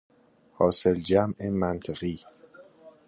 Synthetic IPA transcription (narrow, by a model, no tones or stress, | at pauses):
hɒːseld͡ʒæmʔemænt̪ʰeɣiː